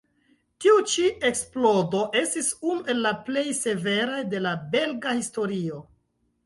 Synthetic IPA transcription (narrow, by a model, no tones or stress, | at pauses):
tiut͡ʃiʔe̞ksplo̞do̞ʔe̞stisunuʔe̞lːaple̞jse̞ve̞ɾajde̞labe̞lɡahisto̞ɾio̞